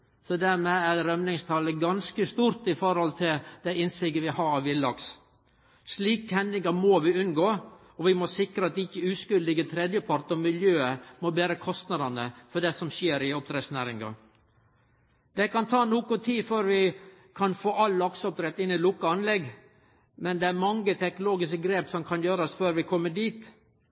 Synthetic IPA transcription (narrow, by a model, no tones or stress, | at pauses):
sɔd̪æɾmɛæɾɾœmnɪŋst̪ʰɑləɡɑnskəst̪uːɾt̪ɪfɔɾhɔlt̪ʰɪld̪̥æɪɪnsɪɡəʋɪhɑɾɑʋɪlːɑks | sliːkəhɛnd̪ɪŋɑmɔːʋɪʉnɡoː | ɔʋɪmɔsɪkɾəɑt̪ɪçːəʉːskʉld̪ɪɡət̪ʰɾɛd̪jəpʰɑɾt̪ɔmɪljøːəmɔbeːɾəkʰɔst̪nɑd̪ɑnəfɔɖɛsɔmseːɾɪɔp̚d̪ɾɛsnæːɾɪŋɡɑ̰ | d̪̥ɛkɑnt̪ʰɑːnuːkʊt̪ʰiːføɾʋɪ | kʰɑnfoːʔɑlːɑksɔp̚d̪ɾɛt̪ːɪnːɪlʊkːəɑnlɛɡ | mɛnd̪ɛæɾmɑŋːət̪ʰɛknʊloːɡɪskəɡɾeːpsɔmkʰɑnjøːɾəsføːɾʋɪkʰɔmːəd̪iːt̪